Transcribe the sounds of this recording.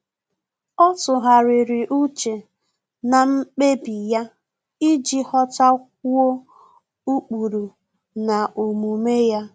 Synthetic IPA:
ɔ˦tʊ˨ɦa˨ɾɪ˨ɾɪ˨ʔu˦t͡ʃe˨ | na˨ŋ͡m̩˦k͡pe˦bi˨ja˦ | i˦d͡ʒi˦hɔ˦ta˦k̚ʷu˦o˦ | u˦k͡pu˨ɾu˨ | na˨o˨mu˨me˦ja˦

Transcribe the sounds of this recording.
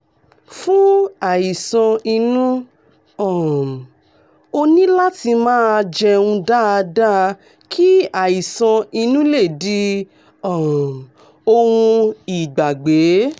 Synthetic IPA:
fũ˦a˨ji˨sã˧i˧nũ˦ | ɔ˨ | o˧nĩ˦la˦ti˧mãː˦˧d͡ʒɛ˧ũ˧da˦a˧da˦˧ | kʰi˦a˦˨ji˨sã˧i˧nũ˦le˦˨di˦ | ɔ˦˨ | o˧wũ˧i˨ɡ͡ba˨ɡ͡be˨˦

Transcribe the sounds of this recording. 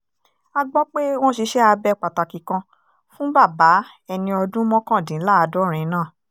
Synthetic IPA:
a˧ɡ͡bɔ˦k͡pe˦w̃ɔ̃˦ʃi˧˦ʃɛ˦a˧bɛ˧k͡pa˨ta˨kĩ˨kã˧ | fũ˦ba˦˨ba˨˦ | ɛ˧nĩ˧ɔ˧dũ˦mɔ̃˦kã˦˨dĩ˨˦la˦a˧dɔ˦ɾ̃ɛ̃˨˦nãː˦˨

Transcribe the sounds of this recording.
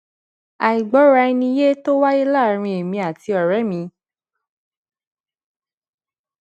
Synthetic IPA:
a˨i˨ɡ͡bɔ˨˦ɾa˧i˧nĩ˧je˦to˦wa˦ji˦la˦˨˦ɾ̃ĩ˧e˨mĩ˧a˨ti˧ɔ˨ɾɛ˨˦mĩ˧

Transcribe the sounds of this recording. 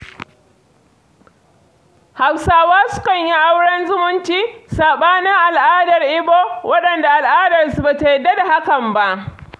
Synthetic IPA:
ha˨wsaː˦waː˦sʊ̥˦kɐ˨ɲji˦ʔa˦wɽɐ˦nzʊ˦mʊ˦nt͡ʃiː˦saː˨ɓaː˦na˦ʔa˨lʔaː˦dɐ˨rʔɪ˦boː˦wʔɐ˦ɗɐ˨nda˨ʔa˨lʔaː˦dɐ˨rsu˨ba˨ta˨jɛ˦˨dːa˦da˨ha˦kɐ˨mba˦ʔ

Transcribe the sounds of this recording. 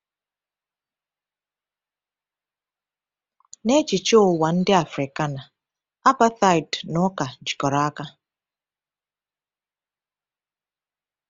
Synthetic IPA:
ne˦t͡ʃi˨t͡ʃo˦o˦˨wa˨n̩˦dɪ˦a˨fɾɪ˨ka˦na˨ | a˦pa˦t̪a˨jdnʊ˦ka˨d͡ʒi˨kɔ˨ɾa˨˦a˦ka˦

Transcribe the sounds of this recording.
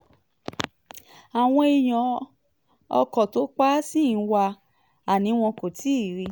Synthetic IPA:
a˨w̃ɔ̃˧i˧j̃ɔ̃˨ | ɔ̰˧kɔ˨to˨˦k͡pa˦sĩ˦˨n̩˦wa˧ | a˨nĩ˨˦w̃ɔ̃˧ko˨tʰi˨˦˨ɾi˧

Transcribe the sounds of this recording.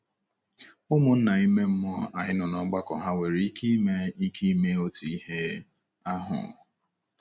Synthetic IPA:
ʊ˦mʊ˨n̩˦na˨i˦me˦m̩˦mɔ˦a˨ɲɪ˦nʊ˨nɔ˨˦ɡ͡ba˦kɔ˨ɦa˦we˨ɾi˦ki˦me˦i˦kʰi˦i˦me˦o˦tu˨i˦he˦ | a˦ɦʊ̰˨

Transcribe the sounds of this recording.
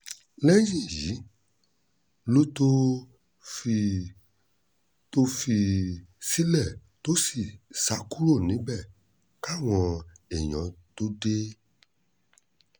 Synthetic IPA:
lɛ˦d͡ʒĩ˦˨ji˨˦ | lo˦to˦ | fi˧˨ | to˦˧fi˧si˦lɛ˦˨ | to˦si˦˨sa˨˦ku˦ɾo˦˨nĩ˨˦bɛ˦˨ | ka˦˨w̃ɔ̃˧e˨j̃ɔ̃˨˦to˦de˦

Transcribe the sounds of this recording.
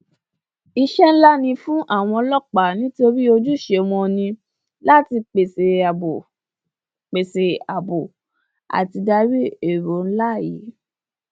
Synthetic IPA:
i˧ʃɛ˦n̩˦la˦nĩ˧fũ˦ʔa˦˨w̃ɔ̃˧lɔ˦˨k͡pa˨nĩ˦to˧ɾi˦o˧d͡ʒu˦˨ʃe˧w̃ɔ̃˧nĩ˧ | la˦ti˧k͡pe˨se˨a˨bo˨ | k͡pe˨se˨a˨bo˨ | a̰˨ti˧da˧ɾi˦e˦˨ɾo˨˦n̩˦la˦˨ji˨˦

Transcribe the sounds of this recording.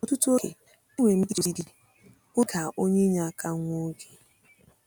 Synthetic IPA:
ɔ˨tu˦tu˦o˦kḛ˨˦ | ŋʷe˨m̩˦di˦o˨di˦di˦ | ʊ˦ɡa˨ʔo˦ɲe˦ɲa˨a˦ka˦ŋʷo˦ɡe˨

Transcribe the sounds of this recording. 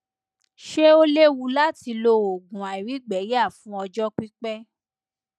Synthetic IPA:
ʃe˦o˦le˦wu˧la˦ti˧lo˧o˨ɡũ˨a˨i˨ɾi˨˦ɡ͡bɛ˨˦ja˦˨fũ˦ɔ˧d͡ʒɔ˦k͡pi˦k͡pɛ˦

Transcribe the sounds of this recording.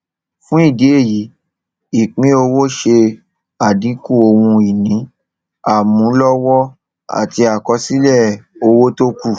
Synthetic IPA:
fũ˦i˦˨de˨˦e˦˨ji˨˦ | i˨k͡pĩ˨˦o˧wo˦ʃe˧ | a˨dĩ˨˦ku˦˨o˧wũ˧i˨nĩ˨˦ | a˦˨mũ˨˦lɔ˦wɔ˦ | a̰˦˨ti˧a˨kɔ˧˦si˦lɛ˦˨o˧wo˦to˦ku˦˨

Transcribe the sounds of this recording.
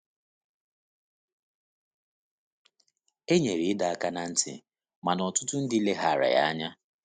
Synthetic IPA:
e˦ɲe˨ɾi˨ɪ˦da˨a˨ka˦na˨n̩˦tɪ̰˨ | ma˨nɔ˨tʊ˦tʊ˦n̩˦dɪ˦le˦ɦa˨ɾa̰˨ja̰˦a˦ɲa˦

